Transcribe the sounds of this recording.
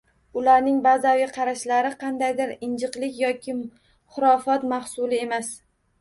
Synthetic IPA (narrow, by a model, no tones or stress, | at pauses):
ʊlaɾnɪŋbazawʲɪqʰɑɾaʃlaɾɪqʰɑnd̪ajd̪ɪɾɪnd͡ʒɨqlɪkʲjɒkʲʰɪ | χʊɾɒfɒt̪mahsʊlɪe̞mas